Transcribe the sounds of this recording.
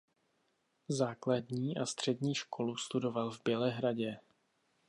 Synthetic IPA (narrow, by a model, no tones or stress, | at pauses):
zaːkladɲiːʔast̪r̝̥ɛdɲiːʃkʰo̞lust̪udo̞valvbjɛlɛɦɾaɟɛ